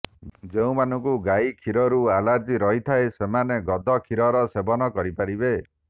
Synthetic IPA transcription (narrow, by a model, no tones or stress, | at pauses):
d͡ʒeũmanɔŋkuɡaikʰiɾɔɾualad͡ʒiɾɔɦit̪ʰaesemaneɡɔd̪ʱɔkʰiɾɔɾɔsebɔnɔkɔɾipaɾibe